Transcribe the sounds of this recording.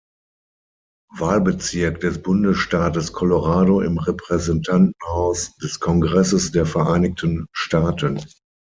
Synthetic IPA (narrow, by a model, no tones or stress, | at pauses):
vaːlbət͡sɪɐkd̥ɛsb̥ʊndəsʃtaːtəskʰɔloʁaːdoɪ̰mʁɛpʁ̥ɛzɛntʰantn̩haʊsd̥ɛskʰɔŋɡʁɛsəsd̥eːɐfɛɐʔaɪnɪktʰənʃtaːtən